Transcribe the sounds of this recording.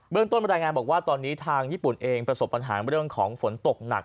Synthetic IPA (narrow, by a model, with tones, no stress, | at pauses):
bɯ˥˩ŋt̪o˥˩na˧ɾaː˧jŋaː˧bɔː˨˩kwaː˥˩t̪ɔː˧nːiː˦˥t̪ʰaː˧ŋjiː˥˩pu˨˩nʔeː˧ŋpɾa˧so˨˩pːa˧nɦa̰ː˩˦nɾɯ˥˩əŋkʰɔː˩˦ŋfo˩˦nt̪o˨˩k̚na̰˨˩k̚